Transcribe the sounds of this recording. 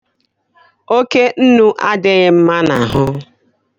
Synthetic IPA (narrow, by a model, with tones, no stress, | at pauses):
o˦ke˦n̩˦nu˦ʔa˦dɪ˦ɣɪ˦m̩˦ma˦na˨ɦʊ˦